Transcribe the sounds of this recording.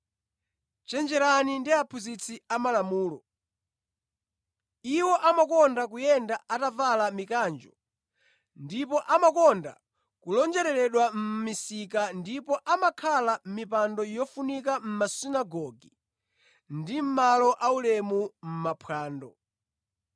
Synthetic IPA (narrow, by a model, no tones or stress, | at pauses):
t͡ʃɛnd͡ʒɛɾanindiapʰuzit͡sʰiamalamuːlɔ | iwɔʔamakɔndak̬ujɛndaatavalamikaːnd͡ʒɔ | ndipɔʔamakɔnda̰ | kulɔnd͡ʒɛɾɛɾɛɗwam̩misikandipɔʔamakʰalam̩mipandɔjɔfunikam̩masinaɡɔɡi | ndim̩malɔʔaulɛmum̩mapʰwaːndɔ